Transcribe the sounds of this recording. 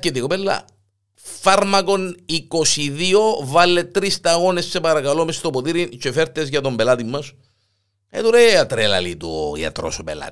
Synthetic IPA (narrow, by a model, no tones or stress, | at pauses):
ket̪ikopelːɐ̰ | fɐɾmɐko̞nikosiðio̞vɐlːet̪ɾist̪ɐɣo̞nesːe̞pɐɾɐkɐlomest̪opot̪iɾint͡ʃefeɾt̪ezjɐt̪ombelɐt̪imːɐs | et̪uɾeɐt̪ɾelɐ̰lit̪ujɐ̰t̪ɾo̰sopelɐ̰t̪